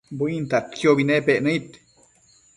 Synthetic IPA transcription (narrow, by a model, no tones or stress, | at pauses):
buint̪at̪kʰjobinepeʔnəit̪